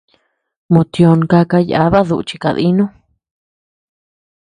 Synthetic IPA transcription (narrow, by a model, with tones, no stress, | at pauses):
mõ˨t̪jo˧nka˧ka˧ja̰˧βa˦ðu˧ʔt͡ʃi˧ka˧ðḭ˦nũ˦